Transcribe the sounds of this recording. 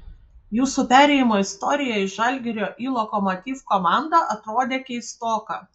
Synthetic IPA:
juːsupʲæːɾʲɛjɪmoːɪst̪ɔɾʲɪjɛɪʒɐlʲɡʲɛɾʲoːʔiːlˠokɔmot̪ʲiːfkɔmɑˑnd̪ɐʔɐt̪ɾoːd̪ʲeːkʲɛɪst̪oːkɑ

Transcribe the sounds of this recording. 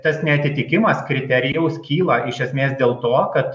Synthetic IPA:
t̪ɐsnʲɛɐt̪ʲɪt̪ʲɪkʲɪmɐskɾʲɪt̪ʲɛɾʲɪjɛʊskʲiːlˠɐɪʃʲɛsʲmʲeːsd̪ʲeːlˠt̪oːkɐt̪

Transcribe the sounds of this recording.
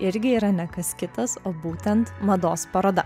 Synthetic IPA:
ɪɾʲɡʲɪiːɾɐnʲɛkɐskʲɪt̪ɐsoːbuːt̪ʲɛnt̪mɐd̪oːspɐɾoːd̪ɐ

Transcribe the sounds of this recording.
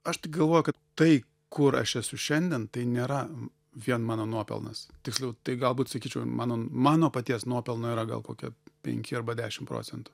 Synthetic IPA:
ɐʃt̪ʲɪkɡɐlˠʋoːjʊkɐt̪t̪ɐɪ | kʊɾɐ̰ʃɛsʊʃʲɛnʲd̪ʲɛnt̪ɐɪnʲeːɾɐ | ʋʲiɛnmɑːnoːnuɔpʲɛ̰lˠnɐ̰st̪ʲɪksʲlʲɛʊt̪ɐɪɡɐlˠbuːt̪sɐkʲiːt͡ʃʲɛʊmʔɑːnoːmɑːnoːpɐt̪ʲiɛsnuɔpʲɛlˠnoːiːɾɐɡɐ̰lˠkoːkʲɛ̰pʲɛ̰ŋʲkʲɪɐrbɐd̪ʲæːʃʲɪmpɾo̰ːt͡sʲsʲɛnt̪ʊ̥

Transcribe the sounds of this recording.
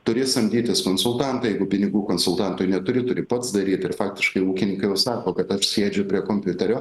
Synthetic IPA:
t̪ʊɾʲɪsɐmʲd̪ʲiːt̪ʲɪskoːnsʊlˠt̪ɑnt̪ɐjɛɪɡʊpʲɪnʲɪɡuːkoːnsʊlˠt̪ɑnt̪ʊjnʲɛt̪ʊɾʲɪt̪ʊɾʲɪpɐt̪sd̪ɐɾʲiːt̪ɪrfɑːk̚tʲɪʃkɐɪuːkʲɪnʲɪŋkɐɪjɛʊsɑːkoːkɐt̪ɐʃsʲeːd͡ʒʲʊpʲɾʲiɛkoːmʲpʲʊt̪ʲɛɾʲoː

